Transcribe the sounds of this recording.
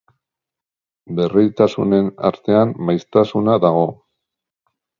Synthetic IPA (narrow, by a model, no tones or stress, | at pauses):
be̞rijt̪asṵne̞na̰ɾt̪e̞amːajst̪asunaðaɣ̞o̞